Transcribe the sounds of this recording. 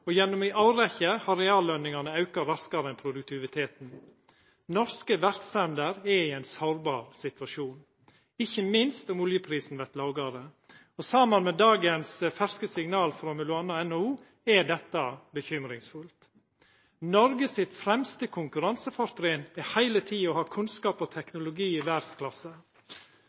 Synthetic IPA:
ɔjɛnːʊmɪʔɑʊɾɛçəhɑɾɛɑːlːœnɪŋɑnəɑʉkɑɾɑskɑɾəɛnpʰɾʊd̪ʉk̚t̪ʰɪʋɪt̪ʰeːt̪n̩ | nɔɾskəʋæɾksɛnd̪əɾɛɾiːæɪnsoːɾbɑːɾsɪt̪ʋɑʂuːn | ɪçːəmɪnst̪ʊmʊljəpʰɾiːsn̩ʋæɾt̪lɑːɡɑɾə | ɔsɑmənmɛd̪ɑːɡənsfæɾskəsɪŋnɑːlfɾomɛlʊɑnɑɛnuː | ɛɖɛt̪ːɑbəçʏmɾɪŋsfʉlt̪ | nɔɾɡəsɪt̪fɾɛmst̪əkʰʊŋkʉɾɑnsəfɑɾt̪ɾɪːnɛhæɪlət̪ʰiːɔhɑːkʰʉnskɑːpɔt̪ʰɛknʊlʊɡiːɪʋæɾɖskʰlɑsə

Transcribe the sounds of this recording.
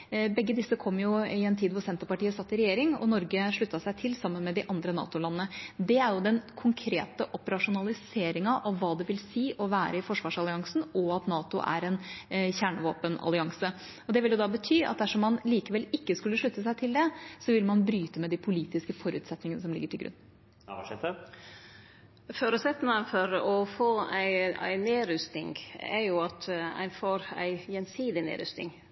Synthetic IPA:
bɛɡːəd̪ɪsːəkʰɔmːjʊɪɛnt̪ʰiːd̪ʋʊɾsɛnt̪əɾpɑʈiːəsɑt̪ːɪɾɛjeːɾɪŋɔ̰nɔɾɡəʂɭʉt̪ːɑsæɪt̪ʰɪlsɑmːənmɛd̪ɪʔɑnd̪ɾənɑ̰ːt̪ʊlɑnːnəd̪ɛæɾjʊd̪ɛnkʰʊŋkʰɾḛːt̪əʔɔpəɾɑʂʊnɑlɪseːɾɪŋɑʔɑʋːɑːd̪ɛʋɪlsiːʔɔʋæːɾəɪfɔʂʋɑːʂɑlɪɑŋsn̩ɔɑt̪nɑːt̪ʊ̰ʔæ̰ɾɛnçæːɳəʋoːpənɑ̰lɪɑŋsə | ɔd̪ɛʋɪljʊd̪ɑːbət̪ʰyːɑ̰t̪̚d̪æʂɔmːɑnliːkəʋɛlɪkːəskʉlːəʂɭʉt̪ːəsæɪt̪ʰɪld̪ɛsɔʋɪlmɑnbɾyːt̪əmɛd̪ipʰʊliːt̪ɪskəfɔɾʉːt̪sɛt̪nɪŋənəsɔmlɪ̰ɡːəʈʰɪlɡɾʉ̰nː | ʂɛt̪ə | foːɾʉsɛt̪ːnəfɔɾɔfoːæɪæ̰ɪneːɾʉst̪ɪ̰ŋɡɛ̰ɾjʊɑt̪æ̰ɪfoːɾæ̰ɪjɛnsiːd̪ɪnḛːɾʉ̰st̪nɪ̰ŋ

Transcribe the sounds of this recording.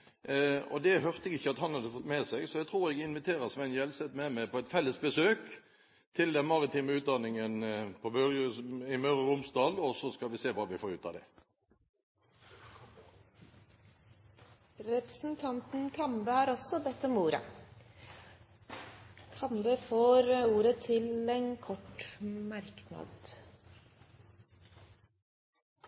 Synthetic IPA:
ɔ̰d̪ɛɦœʁt̪əɛɡɪçːəɑt̪hɑnhɑd̪əfɔt̪meːsɛɡsɔɛɡt̪ʰʁuːʁɛɡɪnʋɪt̪ʰeːʁəʁsʋɛnjɛlsɛt̪mɛmæɪpʰɔɛt̪fɛlːəsbəsøːk | t̪ʰɪld̪ɛnmɑʁɪt̪ʰiːməʉːt̪̚d̪ɑnɪŋənpʰɔmœʁəɪmœʁəʁʊmsd̪ɑːlɔsɔskɑlʋɪseːʋɑːʋɪfoːʁʉ̰ːt̪ʰɑ̰d̪ɛ̰ | ɾɛpɾəsn̩t̪ʰɑnt̪n̩kʰɑmbəhɑːɾɔsɔbɛt̪ːɔmuːɾə̰ | kʰɑmbəfoːɾuːɾət̪ʰɪlɛnkʰɔʈmæɾknɑ̰d̪

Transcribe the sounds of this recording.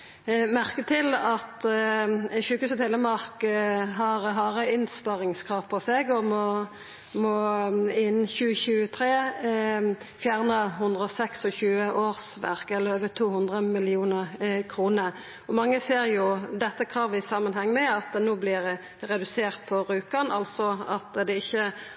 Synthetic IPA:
mæʁkət̪ʰɪlɑt̪ | ʃʉːkʉːsət̪hɛlːəmɑʁkɦɑʁɦɑʁəɪnspɑʁɪŋskʰʁɑːʋpʰɔsɛɡɔmɔ | mɔɪnçʉːəçʉːət̪ʰʁeː | fjæːʁnəɦʉnd̪ʁəɔsɛksɔçʉːəʔoːʁsʋæ̰ʁkɛlːəøːʋət̪ʰuːhʉnd̪ʁəmɪlɪuːnəʁkʰɾuːnəɾ | ɔmɑŋːəseːɾjʊd̪ɛt̪ːəkʰʁɑːʋɪsɑmənhɛŋːmɛɑt̪noːblɪʁ | ʁɛd̪ʉseːʁt̪̚pʰɔʁʉːkənʔɑlt̪sɔɑt̪d̪ɛɪçːə

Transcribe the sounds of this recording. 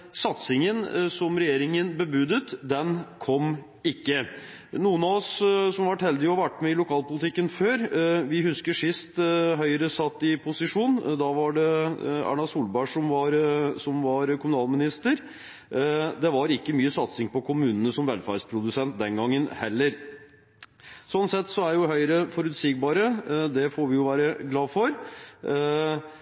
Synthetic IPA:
sɑt̪sɪŋənsɔmɾɛjeːɾɪŋənbəbʉd̪ət̪d̪ɛnkʰɔm | ɪkːə | nuːənɑɔssɔmʋɑʈhɛld̪ɪjʊhɑɾʋæʈːmɛɪlʊkʰɑːlpʊlɪt̪ʰɪkːənføːɾʋɪhʉskəʂɪst̪ɦœʏɾəsɑt̪ːɪpʰʊsɪʂuːnd̪ɑʋɑɖɛæ̰ɳɑsuːlbæʂɔmʋɑɾsɔmʋɑɾkʰʊmʉnɑːlmɪnɪst̪əɾ | d̪ɛʋɑɾɪkːəmyːəsɑt̪sɪŋpɔkʰʊmʉːnənəsɔmʋɛlfæɾspʰɾʊd̪ʉsɛnt̪̚d̪ɛnɡɑŋːənhɛlːəɾ | sɔnsɛt̪ːsɔæɾjʊɦœʏɾəfɔɾʉt̪sɪɡ̚bɑːɾəd̪ɛfoːɾʋɪjʊʋæːɾəɡlɑːfɔɾ

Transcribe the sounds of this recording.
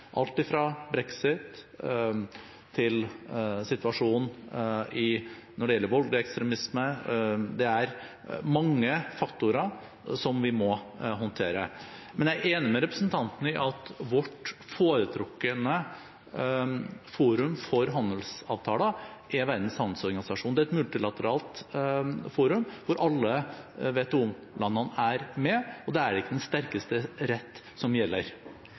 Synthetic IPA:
ʔɑlt̪ɪfɾɑbɾɛksɪt̪ | ɪlsɪt̪ʋɑʂuːnnɪnɔɖɛjɛlːəɾʋɑlɡ̪ɪɛkst̪ɾɛmɪsməd̪ɛæɾ | mɑŋːəfɑkt̪ʊɾə | sɔmʋɪmɔ | ɦɔnt̪ʰeːɾə̰mɛnjæeːnəmɛɾɛpɾəsnt̪ʰɑnt̪ənəɪʔɑt̪ʋɔʈːfoːɾət̪ʰɾɔkːənə | fuːɾʉmfɔɾɦɑnd̪əl̩sɑ̰ːʋt̪ʰɑːləʔɛʋæɾd̪n̩shɑnsɔɾɡɑnɪsɑʂuːnd̪ɛæɛt̪mʉlt̪ɪlɑt̪əɾɑːlt̪ | fuːɾʉmʋʊɾʔɑlːəʋeːt̪ːɔm | lʔɑnːɑnæɾmɛɔd̪ɛæɖɛɪkːəd̪ɛnst̪æɾkəst̪əɾɛt̪ː | sɔmjɛlːəɾ

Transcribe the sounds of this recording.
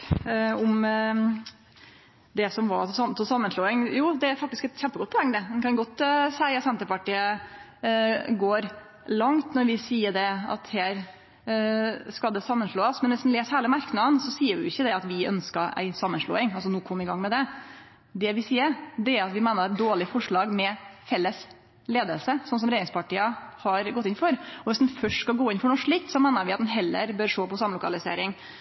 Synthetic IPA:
ʊm | d̪ɛsɔmʋɑɾsɑt̪ʰɔsɑmːənʂloːɪŋjuːd̪ɛæɾfɑk̚t̪ɪskɛt̪çɛmpəɡɔt̪̚ːpʰɔɛŋːd̪əd̪ɛnkʰɑnɡɔt̪ːsæɪɑt̪sɛnt̪əɾpɑʈiːə | ɡoːɾ | lɑŋt̪nɔɾʋɪsiːəɖɛɑ̰t̪heːɾ | skɑld̪ɛsɑmːənʂɭoːəsmɛnʋɪsd̪n̩leːshæːləmæɾknɑd̪nsɔsiːəɾʋɪ̰ʊɪçːəd̪ɛɑt̪ʋɪœ̰nskəɾæ̰ɪsɑmːənʂɭo̰ːɪŋɑls̬ɔnuːkʰɔmːɪɡɑŋːmɛd̪ɛ | d̪ɛʋɪsiːəɾd̪ɛæɾɑt̪ʋɪmæɪnəɾɛt̪̚d̪oːɭɪfɔʂɭɑːɡmɛfɛlːəs | leːd̪əlsəsɔns̬ɔmɾeːɾɪŋspʰɑʈiːəhɑɾɡɔt̪ːɪnfɔɾɔʋɪsd̪nfœʂʈskɑɡoːɪnfɔɳɔʂɭik̚t̪sɔmæɪnəɾʋɪɑt̪d̪nɦɛlːə̰ɾbøːɾʂoːpɔsɑmlʊkɑlɪsḛːɾɪŋ

